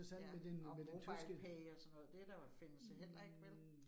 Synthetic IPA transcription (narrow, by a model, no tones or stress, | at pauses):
ɐsæn̰d̥med̥enmed̥et͡sʰyɪsɡ̥əpʰɛɪɒsɒ̽nːɔ̽ːð̞̩ˠd̥ed̥ɑfe̝nəsɑɦel̰ɐe̝ɡ̥ʋel